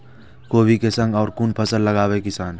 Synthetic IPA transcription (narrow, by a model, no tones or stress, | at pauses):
koːbʱikesə̃ŋɡɔːɾkuːnpʰəsəlːɐɡaːʋekɪsaːn